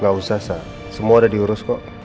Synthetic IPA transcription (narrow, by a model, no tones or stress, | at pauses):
ŋausasa | səmuadadiuɾʊskɔʔ